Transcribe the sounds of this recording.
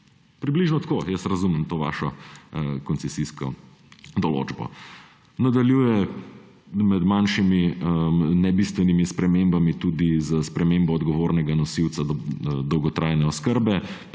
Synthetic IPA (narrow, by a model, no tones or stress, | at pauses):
pɾibliʒnɔt̪koːjəsɾɐzuməmt̪oːʋa̰ːʃɔ | kɔnt̪sɛsiskɔ̰ | d̪ɔlo̰ːd͡ʒbɔ̰ | nad̪aljuːjɛ | mɛd̪manʃimi | nɛbist̪ʋɛnimispɾɛmembamit̪ud̪izəspɾɛmembɔːd̪ɡɔʋoːɾnɛɡanɔsiwt̪sad̪ɔwɡɔt̪ɾʔaːjnɛɔskəɾbɛ